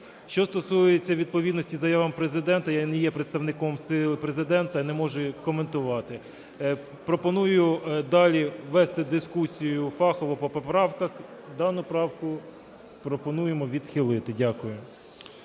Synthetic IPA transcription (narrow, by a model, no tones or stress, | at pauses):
ʃt͡ʃɔst̪ɔsujet͡sʲːɐʋʲid̪̚pɔʋʲid̪nɔsʲtʲizɐjɑʋɐmpɾezɪd̪ɛnt̪ɐjanɛjɛpɾet̪st̪ɐʋnɪkɔmsɪlˠɪpɾezɪd̪ɛnt̪ɐnɛmɔʒɛkɔment̪ʊʋɑt̪ɪ | pɾɔpɔnujʊd̪ɑlʲiʋɛst̪ɪd̪ɪskusʲijʊfɑxɔʋɔpɔpɔpɾɑwkɐxd̪ɑnʊpɾɑwkʊ | pɾɔpɔnujemɔʋʲid̪xɪlˠɪt̪ɪdʲakʊjʊ